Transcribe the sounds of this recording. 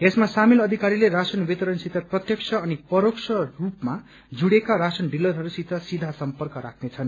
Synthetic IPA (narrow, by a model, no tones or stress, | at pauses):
esmasamilʌd̪ʱikaɾileɾasʌnwit̪ʌɾʌnsit̪ʌprʌt̪jʌk̚sʰʌːnipʌɾoksʰʌrupma | d͡zuɽekaɾasʌnɖilʌɾɦʌɾusit̪ʌsid̪ʱasʌmpʌrkʌɾa̰kʰnet͡sʰʌn